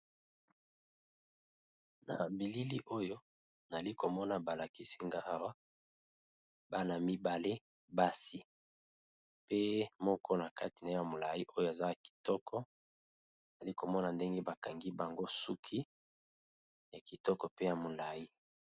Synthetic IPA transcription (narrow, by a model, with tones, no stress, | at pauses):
na̰˨bi˨li˦li˦ʔo˦jo˦ | na˨li˦ko˨mɔ˦na˨ba˨la˨ki˦si˦ŋɡa˦ʔa˦wa˦ | ba˦na˨mi˦ba˨le˦ | ba˦si˦ | pe˦mɔ˦kʰɔ˦na˨ka˦ti˨na˨jo˦a˨mo˨la˨i˦ʔo˦jo˦a˨za˦a˨ki̥˨tɔ˦kʰɔ˦˨ | za˨li˦ko˨mɔ˦na˨nde˦ŋɡe˦ba˨ka˨ŋɡi˦ba˨ŋɡo˦su˦kʰi˦ | ja˨ki˨tɔ˦kɔ˨pe˦ja˨mo˨la˨ji˦